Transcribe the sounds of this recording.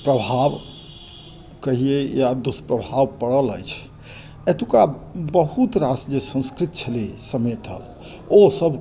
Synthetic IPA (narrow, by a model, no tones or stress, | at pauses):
pɾəbʱab | kəɦiejad̪uspɾəbʱabpəɽələ̰jt͡ʃʰ | et̪ukabəɦut̪ɾasd͡ʒesə̃nskɾit̪t͡ʃʰəlisəmet̪ɦə̰l | osəbʱ